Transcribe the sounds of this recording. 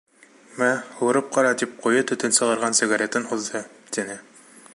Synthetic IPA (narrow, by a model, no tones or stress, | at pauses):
mæhŭɾɤp̚qɑɾɑt̪ip̚qujɤt̪ɵ̆t̪ɘnsɤ̆ʁɤ̆ɾʁɑnsʲiɡaɾʲet̪ɤnuðd̪ɤt̪inɘ